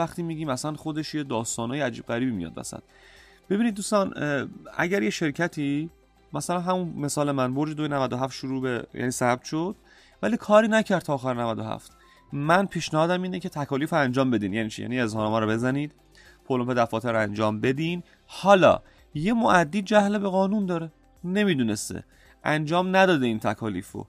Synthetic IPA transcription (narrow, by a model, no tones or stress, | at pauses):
æxt̪iːmiːɟiːmæsænχod̪e̞ʃjed̪ɒːst̪ɒːnɒːjeæd͡ʒiːb̥̚ɣæɾiːbiːmḭjɒ̰d̪̚bæ̰sæ̰d̪̥ | b̥e̞biːnid̪̚ːuːst̪ɒnʔæ̰ɟæɾje̞ʃe̞ɾcʰæt̪ʰiː | mæsælænɦæmunme̞sɒːle̞mænboɾd͡ʒed̪ojenævæd̪oɦæft̪ʃuɾuːbejæ̰niːsæb̚t̪ʃod̪̥ | væliːkʰɒːɾiːnæcʰæɾd̪t̪ʰːxæɾenævæd̪oɦæ̰ft̪ | mænpʰiːʃnæhɒːd̪æmiːnecʰe̞t̪ʰækʰɒːliːfɾoænd͡ʒɒːmbe̞d̪iːnjæniːt͡ʃʰijæ̰ːnie̞zhɒːnemɒːɾɔbe̞zæniːd̪ | pʰolomped̪æfɒːt̪ʰeɾænd͡ʒɒːmbe̞d̪iːn | hɒːlɒ̰ː | jemoʔæd̪ːiːd͡ʒæhlebe̞ɣɒːnund̪ɒːɾe | ne̞miːd̪uːne̞st̪ḛ | ʔæ̰nd͡ʒɒːmnæd̪ɒːd̪e̞iːnt̪ʰækʰɒːlḭːfɾo̰